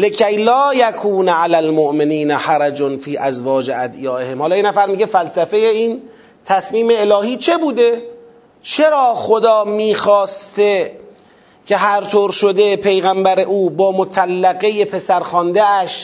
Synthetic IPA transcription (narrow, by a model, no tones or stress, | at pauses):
lekʰæjlɒːjækʰuːnʕalælmoʔmeniːnħaɾæd͡ʒonfiːʔæzvɒːd͡ʒeæd̪ijɒːʔehemhɒːlɒːjenæfæɾmiːɡefælsæfe̞jeiːn | t̪ʰæsmiːme̞ːlɒːhiːt͡ʃʰe̞buːd̪e | t͡ʃʰeɾɒːxod̪ɒːmiːxɒːst̪e | kʰe̞ɦæɾt̪ʰoːɾʃod̪e̞pʰe̞jɣæmbæɾeʔuːbɒːmot̪ʰælːæɣe̞jepʰe̞sæɾxɒːnd̪eæʃ